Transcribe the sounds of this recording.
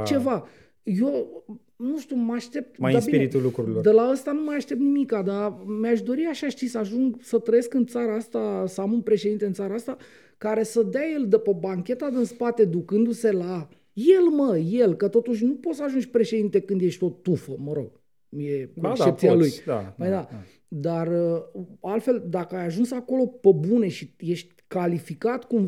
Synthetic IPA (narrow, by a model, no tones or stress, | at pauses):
t͡ʃe̞va | jo | nuʃt̪iumaʃt̪e̞p̚t̪maabiieɾit̪ulukɾuɾiloɾd̪elaəst̪anumajaʃt̪e̞p̚t̪nimikad̪amjaʃd̪o̞ɾiaʃaʃt̪isəaʒuŋɡsət̪ɾəje̞skɨnt̪saɾaast̪asəamunpɾeʃe̞d̪int̪e̞ɨnt̪saɾaast̪a | kaɾe̞səd̪eaje̞ld̪epəbaŋkʲe̞t̪ad̪ɨnspat̪e̞d̪ukɨnd̪use̞la | je̞lməje̞lkət̪o̞t̪uʃ̬ʲnupot̪səaʒund͡ʒʲpɾe̞ʃe̞d̪int̪e̞kɨnd̪je̞ʃt̪ʲo̞t̪ufəməɾo̞̰ɡ̥̚ | je̞ʃep̚t̪sialujd̪a̰məjd̪a | d̪arəalt̪fe̞ld̪akəajaʒunsako̞lo̞pəbune̞ʃije̞ʃt̪ʲkalifikat̪kum